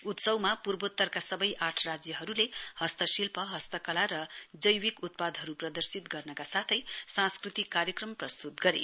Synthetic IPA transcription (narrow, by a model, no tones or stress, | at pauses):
ut̪sʌwmapurbot̪ːʌrkasʌbʌjʔaʈʰrad͡zjʌɦʌɾulehʌst̪ʌsilpʌɦʌst̪ʌkʌlaɾʌd͡zʌjwikut̪̚pad̪ʱɦʌɾuprʌd̪ʌrsit̪ɡʌrnʌkasat̪ʰʌjsãnskrit̪ikːaɾjʌkrʌmprʌst̪ut̪ɡʌɾḛ